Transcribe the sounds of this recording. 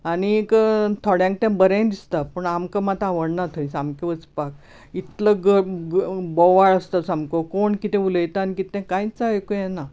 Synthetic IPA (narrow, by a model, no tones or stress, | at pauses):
anikət̪ʰɔɽjãŋk̚t̪ãbəɾẽd̪ist̪apəɳamkəmat̪aʋəɽnat̪ʰoĩsamkeʋət͡spak̚ | it̪ləɡə | bɔʋaɭəst̪asamkokoɳkit̪ɛ̃uləjt̪anikit̪ɛ̃kãjt͡saekojɛna